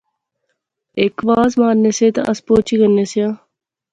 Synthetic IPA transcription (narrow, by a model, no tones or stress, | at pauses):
ekʋaːzmaːnːeset̪ɐ̰ʔɐspoːt͡ɕiɡɐnːesijãː